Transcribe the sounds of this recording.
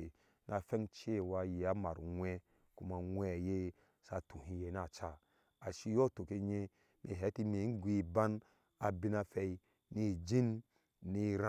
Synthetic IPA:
e˨ | nʔa˨fɛ˦ŋt͡ʃe˦˨wa˧je˨a˦ma˨ɾŋʷɛ˦ | ku˦ma˨ŋʷɛ˦˨je˦ | sa˧˨tu˨ɦi˧je˨na˦˨t͡ʃa˦˨ | a˨ʃi˦jɔ˦˨to˨ke˦ɲe˦ | mʔe˨ɦɛ˨˦ti˦me˨˦n̩˦ɡʷi˦˨ba˦n | a˨bi˦na˧fɛ˧i˦ | ni˦˨d͡ʒi˦n | ni˦ɾa˦

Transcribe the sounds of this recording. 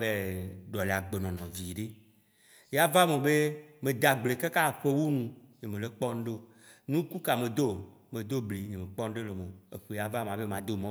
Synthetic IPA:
be˦ɖɔ˨le˨a˨ɡ͡be˨nɔ̃˨nɔ̃˨vi˨ɖe˦ | ja˦va˦mɔ̃˨be˦mẽ˨d̪a˨ɡ͡ble˨ke˦ka˦˨ɸe˦wu˦nũ˨ɲẽ˨mẽ˨le˦k͡pɔ˦n˦ɖo˦ | nũ˦ku˦ka˨mẽ˨d̪o˦ | mẽ˨d̪o˦bli˨ɲẽ˨mẽ˨k͡pɔ˦n˦ɖe˦le˨mõ˨e˨ɸe˨ja˦va˦m˨ã˨be˦mã˨d̪o˦mɔ̃˦

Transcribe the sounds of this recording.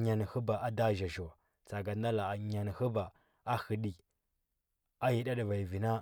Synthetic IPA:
ɲa˨ni˨hə˦ba˨ʔa˦da˦ʒa˨ʒo˨a˨ | t͡sa˨ɡa˨n˦da˦la˨a˨ɲa˨n˨hə˦ba˨ | a˦hi˨ɗi˨ | a˦ji˦ɗa˦ɗə˨va˨i˨vi˨na˦

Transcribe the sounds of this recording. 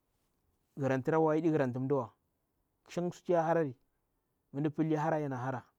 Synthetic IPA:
ɡi˨ɾa˨nti˦ɾa˦wa˦i˦di˦ɣi˨ɾa˨n˨t̬u˨m˦da˦wa˨ | kʃi˦ŋ˦su̥˦t͡ʃi˦ja˦ha˦ɾa˦ɾi˨ | mə˨ndi˦pi˦lɦa˦ɾa˦ja˨na˨ɦa˦ɾa˨

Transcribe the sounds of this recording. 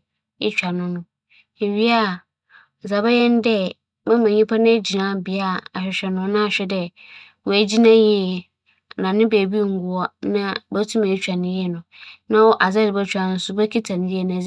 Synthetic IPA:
ɪ̰˦t͡ɕᶣa˨nʊ̃˦nʊ̃˦ | e˨ɥi˦a˦˨ | za˨bɛ˦jɛ˦n˦dɛ˦ | mã˦mã˨ɲĩ˦pʰa˦nɪ̃˦d͡ʑi˨nã˦bɪ˨a˦˨a˨ɕᶣɛ˨ɕᶣɛ˨nʊ̃˦nã˦a˨ɕᶣɛ˦dɛ˦ | wɔ˨æ˨d͡ʑi˦nã˦ji˦˨ | nã˨nɪ̃˦be˨bi˦˨ŋ̩˨˦ɡu˦˨ɔ˦nã˦bɛ˦tʰũ˦mã˨i˦t͡ɕᶣa˨nɪ̃˦ji˦ɛ˦˨nʊ̃˨nã˦wɔ˦ʔa˨zɛ˦dɪ˨bɛ˦t͡ɕᶣa˨nʊ̃˦sʊ˦bɛ˦kʰi˦tʰã˨ñ˨˦ji˦ɛ˨nã˨˦

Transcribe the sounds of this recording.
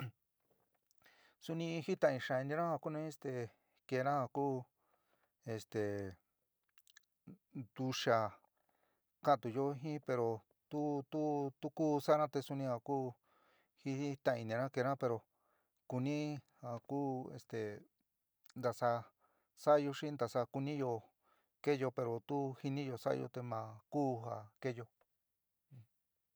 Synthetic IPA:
su˧nĩ˧hi˦t̪ã˧˨ĩ˧ʃa˧˨i˧nĩ˧ɾã˦ha˧ku˦nũ˦e˦˧st̪e˨ | ke˧˨˧ɾã˦ha˧kuː˦ | e˧st̪e˨ | d̪̥u˧ʃa˧ | kã˦˨t̪u˨˧jo˦ɦĩ˦pe˧ɾo˧ | t̪u˦t̪u˦t̪u˦kuː˦sa˦ɾã˦t̪e˧su˧nĩ˧ha˧kuː˦ | hi˧i˦t̪ã˧ĩ˧nĩ˧ɾã˦ke˧ɾã˦pe˧ɾo˨ | ku˧nĩ˦ha˨kuː˦ḛ˧st̪e˨ | nd̪a˧sa˧ | sa˦˧jo˧ʂĩ˦nd̪a˧sa˧ku˧nĩ˦jo˧ | ke˦jo˧pe˧ɾo˨t̪u˦hi˧nĩ˦jo˧sa̰˦a̰˧jo̰˧t̪e˧mã˨kuː˦ɦa˨ke˦˧jõ˧

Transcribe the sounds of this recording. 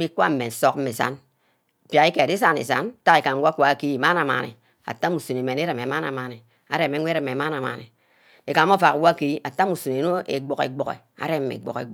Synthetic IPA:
i˦kʷa̰˦m̩˨me˨n˨so˦k̚m̩˦me˨sa̰˦n | pja˨i˦ke˨di˦sa˦nḛ˨sa̰˦n˦ta˦e˨ka˨m˨˦wa˦kʷa˨ki˦˨ma˦na˨ma̰˨nḭ˨ | a̰˨ta˦mu˨su˨ne˨me˨ne˦ɾe˨me˨ma˦na̰˨ma˨ni˨ | a˨ɾe˦me˨˦ŋʷ˦e˦ɾe˨me˨ma˦na˨ma̰˨nḭ˨ | e˨ka˨˦o˦fa˨kwa˦ki˦a˨ta˦mu˨su˨ne˨no˦ḛ˨ɡ͡bo˨kḛ˨ɡ͡bo˨ɣḛ˨ | a̰˨ɾe˦mːḛ˨ɡ͡bo̰˨kḛ˨˦

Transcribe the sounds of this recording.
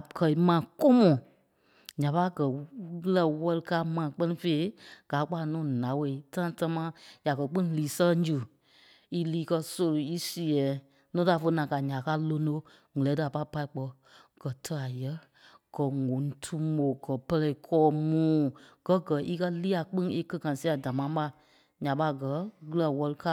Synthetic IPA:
kʰɜ˨i˨mãː˨ko˦mɔ̃˨ | ɲã˨pa˦˨ɡɜ˨˦lɛ˧˨wɔ˧lɨ˧kaː˧˦mãː˨k͡pɜ˦nĩ˧fe˧˦i˦ɡ̥aː˨˦k͡pa˧˨nũː˨˦˨nã˨˦we˧˨i˦tã˦ta˧mãː˦ja˨kɜ˨k͡pĩ˦liː˨˦sɛ˦ɛ˦d͡ʒu˨ | i˦liː˦kɜ˧so˧lo˨i˦si˨ɛ˨˦ | nũː˦ta˨fə˧˦nã˨ka˨ɲã˨ka˦lo˧no˦ | ŋɨ˨lɛː˨˦tɨ˧a˨pa˧˦˨pa˧i˨k͡pɔ˧ | ɡ̥ɜ˨tʰə˧a˨jɛ˦ | ɡ̥ɜ˨ŋõ˨n˨tʰu˧mo˨ɡɜ˨pɜ˧lɛ˧i˨kʰɔː˧˦mũː˦ɡ̥ɜ˨˦ɡɜ˨ʔi˦kɜ˦liː˦a˨k͡pĩ˦ŋe˦kə˧kã˨si˦a˨da˨mã˨˦ɓa˧˨ | ɲã˨ɓa˧˨ɡɜ˨˦ɣɨ˦˧la˨wɔ˧lɨ˧kaː˦

